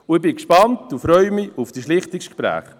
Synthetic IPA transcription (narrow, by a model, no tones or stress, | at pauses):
ʊɪbɪkʃpɑntufɾœʏmɪufd̥iʃlɪχtɪkʃkpɾæ̰ːχ